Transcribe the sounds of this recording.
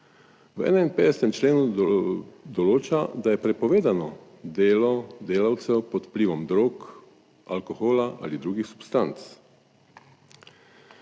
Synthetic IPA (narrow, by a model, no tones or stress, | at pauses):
wɛ̰ːnainpeːd̪ɛsɛt̪ɛmt͡ʃleːnu | d̪ɔloːt͡ʃad̪ajɛpɾɛpɔʋeːd̪anɔ | d̪eːlɔd̪eːlawt̪sɛwpɔt̪pliːʋɔmd̪ɾoːk | alkoxoːlaʔa̰ːlid̪ɾuːɡixsu̥pst̪ant̪s